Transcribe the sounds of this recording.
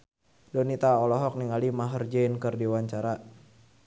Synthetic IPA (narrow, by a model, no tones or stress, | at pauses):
dɔnit̪aɔlɔɦɔk̚niŋalimaɦərd͡ʒainkɨrdiwaɲt͡ʃaɾa